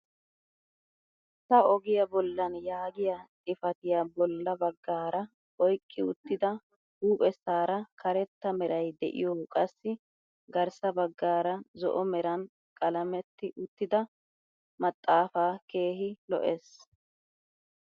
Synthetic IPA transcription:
sɐɔɡɪjɐbɔlːɐnjaːɡɪjɐt̪ʼɪfɐt̪ɪjɐbɔlːɐbɐɡːaːɾɐ | ʔɔjkʼːɪʊt̪ːɪd̪ɐ | huːpʼɛsːaːɾɐkʰɐɾɛt̪ːɐmɛɾɐjd̪ɛ̰ʔɪ̰jɔːkʼɐsːɪ | ɡɐɾsɐbɐɡːaːɾɐzɔ̰ʔɔmɛɾɐn | kʼɐlɐmɛt̪ːɪʔʊt̪ːɪd̪ɐ | mɐt̪ʼːaːfaːke̞ːɦɪlɔ̰ʔeːs

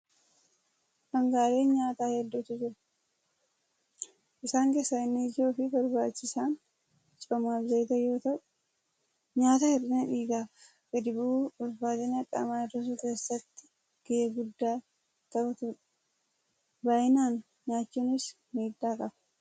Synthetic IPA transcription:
hɐŋɡaːleːnɲaːt̪aːhɛd̪ːuːt̪ːʊd͡ʒɪɾɐ | ʔɪsaːŋkeːsːɐɪnːiːd͡ʒoːfɪbɐɾbaːt͡ʃːɪsaːn | t͡ʃʼɐmaːfzɐjɪt̪ɐjo̞ːt̪ɐʔʊ | ɲaːt̪ɐhɛdɪnɐᶑiːɡaːf | ɡɛd̪ɪbuːʊlfaːt̪ɐnɐkʼːɐ̰maːɪrɐs̬ukeːsːɐt̪ːɪ̥ | ɡ̥ɪeːɡʊd̪ːaː | t̪ɐbɐt̪ʊɾɐ̥ | baʔɪnaːn | ɲaːt͡ʃːuːnɪs | meːd̪ːaːkʼɐbɐ̥

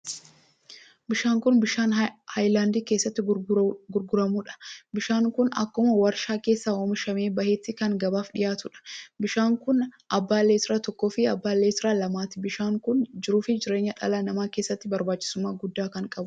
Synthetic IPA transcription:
bɪʃaːŋkʊnbɪʃaːnhɐjlaːnd̪iːkeːsːɐt̪ːɪɡʊɾɡʊɾɐmuːᶑɐ̥bɪʃaːŋkʊnɐ̰kːʊmɐwɐɾʃaːke̞ːsːaːoːmɪʃɐme̞ːbɐhe̞ːt̪ːɪkɐŋɡɐbaːfᶑɪjaːt̪ʊᶑɐ̥bɪʃaːŋkʊnʔɐbːaːlːeːt̪ɪɾaːt̪ɔkːoːfɪɐbːaːlːeːt̪ɪɾaːlɐmaːt̪ɪbɪʃaːŋkʊnd͡ʒɪɾuːfɪd͡ʒɪɾe̞ːɲːɐᶑɐ̰lanɐmaːke̞ːsːɐt̪ːɪbɐɾbaːt͡ʃːɪ̥sʊmːaːɡʊd̪ːaːkɐŋkʼɐbʊʊ

